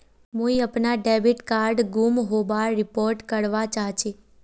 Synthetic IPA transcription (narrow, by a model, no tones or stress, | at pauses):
moiəpnaɖɛbiʈkaɾɖɡumɦoʋaɾɪpoɾʈkəɽʋat͡ʃaɦt͡ʃʰe